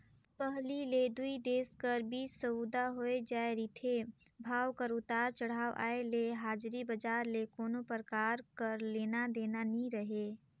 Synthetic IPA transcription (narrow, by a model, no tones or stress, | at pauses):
pəɦliled̪uid̪eːskəɾbiːəud̪aɦoed͡ʒaːeɾit̪ʰebʱaːwkəɾʊt̪aːɾt͡ʃəɽ̤aːʋʔa̰ːeleɦaːd͡ʒɾibəd͡ʒaːɾlekoːnopəɾəkaːɾkəɾleːnad̪eːnaniɾəɦeː